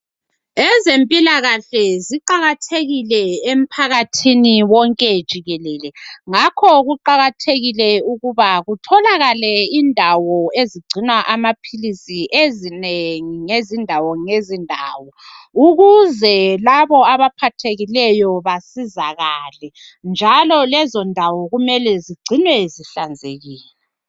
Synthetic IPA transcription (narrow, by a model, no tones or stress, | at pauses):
ɛzempʼilaɣaɬɛziǃaɣatʰeɣilɛem̩pʰaɣatʰiniwɔŋkʼɛd̥ʒ̥ʱiɣɛlɛːlɛŋakʰɔɣuǃaɣatʰeɣilɛuɣuβaɣutʰɔlaɣalɛiːndʱawɔeziɡ͡ǀʱinwaʔamapʰilisiʔezineŋiŋezindʱawɔŋezindʱa̰ːwɔuɣuzɛlaβɔaβapʰatʰeɣilɛjɔβasizaɣalɛ | nd͡ʒʱalɔlɛzɔndʱawɔɣumɛlɛziɡ͡ǀʱinwɛziɬand͡zʱeɣiːlɛ